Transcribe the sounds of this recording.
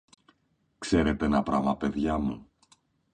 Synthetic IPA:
kse̞ɾe̞t̪eenɐpɾɐmɐpe̞ðʝɐmṵ

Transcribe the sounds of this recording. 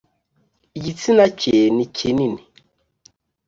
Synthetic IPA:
jitinat͡ʃʰenikʰenini

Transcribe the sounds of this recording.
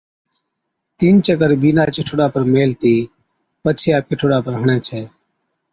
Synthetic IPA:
t̪iːnt͡ʃəkəɾbiːnaːt͡ʃɪʈʰoɽaːpəɾmeːlt̪iː | pət͡ʃʰeːaːp̚kɪʈʰoːɽaːpəɾɦəɳɛ̃ːt͡ʃʰeː

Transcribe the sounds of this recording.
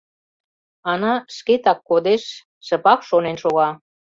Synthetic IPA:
ɑnɑʃket̪ɑkːod̪eʃː | ə̆pɑkʃonenʃoɣɑ

